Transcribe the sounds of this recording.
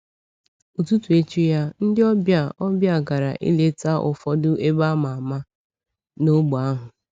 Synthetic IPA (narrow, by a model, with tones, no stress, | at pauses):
u˨tu˦tu˨e˦t͡ʃu˦ja˦n̩˦dɪ˦ɔ˦bja˦˨ɔ˦bja˦˨ɡa˨ɾa̰˨ʔḭ˦le˦ta˦ʔʊ̰˨fɔ˦dʊ˦ʔe˦ba˦ma˨a˨ma˦ | no˦ɡ͡bʊ˨a˦ɦʊ˨